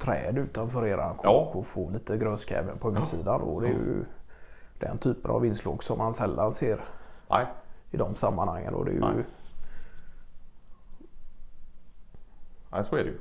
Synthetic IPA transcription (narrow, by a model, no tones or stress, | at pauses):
t̪ʰɾɛːd̪ʉ̟ːt̪anfœːɾeːɾankʰɔkːɔfoːliːt̪əɡɾœnskɛ̰ːvənpʰɔhʉːt̪siːd̪and̪ɔd̪ɛj | d̪̥ɛnt̪ʰyːpəna̰vɪnsloːɡsɔmːansɛlːanseːɾ | ɪd̪ɔmsamːanhaŋːənɔ̰d̪ɛ̰ːj | soɛdɛj